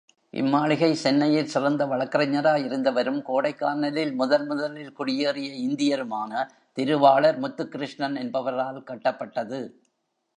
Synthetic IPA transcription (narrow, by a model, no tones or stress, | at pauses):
ʔɪ̰mːaːɭɪɣɐɪsɛnːɐjɪlsɪrɐnd̪ɐʋɐɭɐkːɐɾɐɲːɐɾaːjɪɾɯnd̪ɐʋɐɾɯmkoːɽɐɪkːaːnɐlɪlmʊðɐlmʊðɐlɪlkʊɽɪjeːrɪjɐɪnd̪ɪjɐɾɯmaːnɐ | t̪ɪɾɯʋaːɭɐɾmʊt̪ːɯkːɪɾɯʂɳɐnɛnbɐʋɐɾaːlkɐʈːɐpːɐʈːɐðɯ